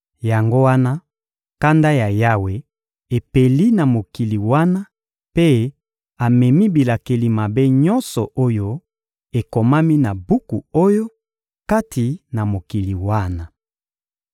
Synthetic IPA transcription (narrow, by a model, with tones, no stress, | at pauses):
ja˨ŋɡo˦wa˦na˦ | ka˦nda˦ja˨ja˦we˨ | e˨pe˨li˦na˨mo˨ki˨li˨wa˦na˦ | pe˦ | a˨mɛ˨mi˦bi˨la˨ke˨li˨ma˨be˦ɲɔ˦nsɔ˨ʔo˦jo˦ | e˨ko˨ma˦mi˦na˨bu˦ku˨o˦jo˦ | ka˦tʰi˨na˨mo˨ki˨li˨wa˦na˨